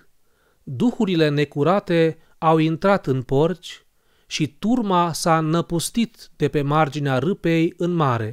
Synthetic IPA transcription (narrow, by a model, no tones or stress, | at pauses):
d̪uxuɾile̞ne̞kuɾat̪e̞ | awint̪ɾat̪ɨnpo̞rt͡ʃʲ | ʃit̪urmasanəpust̪it̪d̪̥e̞pe̞mard͡ʒineaɾɨpe̞jɨnmaɾe̞